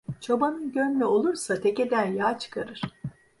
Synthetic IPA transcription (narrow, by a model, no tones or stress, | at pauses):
t͡ʃʰabanɯnɟønmɛo̞lˠuɾsat̪ʰe̞ce̞d̪ænjaːt͡ʃʰɯ̥kʰaɾɯɾ̥